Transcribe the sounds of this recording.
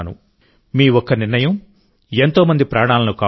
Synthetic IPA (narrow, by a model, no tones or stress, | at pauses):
nṵ | miːʋɔkːɐniɾnɐjɐm | e̞nt̪o̞ːmɐnd̪ipɾaːɳ̃aːlɐnukaː